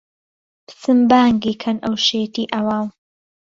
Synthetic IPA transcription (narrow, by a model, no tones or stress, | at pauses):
psɨmbaːŋɡiːkʰɐnʔɐwʃeːt̪iːʔɐwaːw